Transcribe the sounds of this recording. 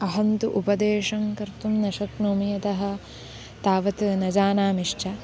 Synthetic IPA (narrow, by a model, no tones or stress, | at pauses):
ɐɦɐnt̪uʔupɐd̪eːʂɐŋkɐɾt̪umnɐʃɐknoːmijɐt̪ɐɦɐ̆ | t̪aːʋɐt̪nɐd͡ʒaːnaːmiʂt͡ʃɐ